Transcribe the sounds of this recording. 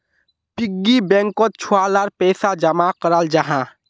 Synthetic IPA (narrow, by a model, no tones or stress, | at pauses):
piɡːibɛ̃ŋkot͡ʃʰualaɾpɛːsad͡ʒəmakəɾald͡ʒəɦã